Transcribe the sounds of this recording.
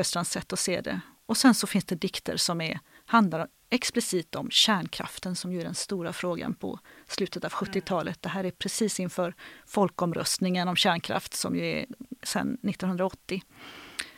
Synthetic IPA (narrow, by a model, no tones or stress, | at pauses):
œst̪lansɛt̪ːɔseːd̪ɛ̰ | ɔsɛnsɔfɪnsd̪ɛd̪ɪkt̪ə̰ɾsɔmæɾhand̪laɾ | ɛksplɪsiːt̪ɔmɕæːɳkʰɾa̰ft̪ənsɔmjɵæɖɛnst̪uːɾafɾoːɡa̰npʰɔ̰slʉ̟ːt̪ət̪avɧɵt̪ːɪt̪ʰɑːlʔət̪̚d̪̥ɛɦæːɾæɾpʰɾɛsiːsɪnfœːɾfɔlkɔmɾœ̰st̪nɪŋənɔmɕæːɳkʰɾa̰ft̪sɔ̰mjɵæ̰ɾsɛ̰nːɪt̪ːɔnɵnd̪ɾaɔt̪ːɪ